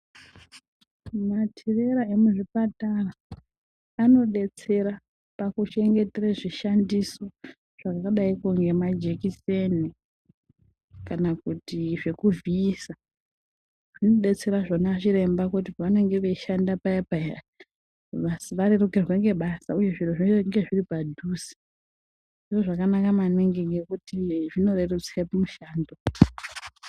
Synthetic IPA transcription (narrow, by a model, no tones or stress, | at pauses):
matʰire̞ɾae̞muʐipataraː | no̞ɗe̞t͡se̞ɾa | pakuʃe̞ŋɡe̞teraʐiʃandiso̞ | ʐ̥akakaɗaikuŋɡe̞mad͡ʒe̞kise̞ni | kanakutiʐe̞kuviːsa | ʐ̥ino̞ɓe̞t͡se̞ɾaʐonaʐiɾe̞mbakutiʋane̞ŋɡe̞ʋeʃandapaepa | ʋasiʋaɾerukerwe̞ŋɡe̞ɓasauje̞ʐiroʐiŋɡe̞ʐiripadʱuːsi̥ | ndiʐo̞ʐakanakamaniŋɡiŋɡe̞kutiʐino̞rerut͡srepamuʃaːndo